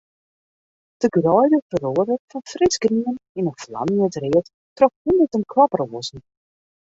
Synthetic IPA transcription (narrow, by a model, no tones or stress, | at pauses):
d̥əɡrɔjdəfəɾoədərfɑnfrɪsɡriənɪnənflɑ̰nətrɪət | trɔkhundətənkʰlɑproəzn̩